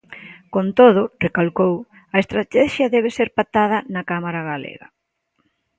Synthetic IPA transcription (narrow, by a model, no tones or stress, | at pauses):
kont̪oð̞ʊrekalkow | ɐest̪ɾat̪ɛʃjɐðɛβ̞eseɾpat̪að̞ɐnɐkamaɾaɣalḛɣɐ̰